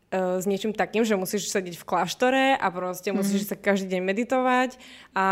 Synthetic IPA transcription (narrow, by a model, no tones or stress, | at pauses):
zɲɪɛt͡ʃimt̪akiːmʒɛmusiːʃsɛɟɛcfklaʃt̪ɔɾɛʔa̰pɾɔscɛmusiːʃsakaʒd̪iːɟɛɲmɛd̪it̪ɔʋaca